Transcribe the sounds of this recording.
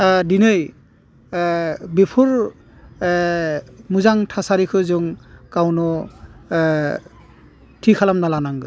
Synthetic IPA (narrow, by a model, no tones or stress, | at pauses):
dinɯj | bepʰuɹ | muzaŋtʰasaɾikʰɯzɯŋkawnɔ | tʰikʰalamnalanaŋɡɯ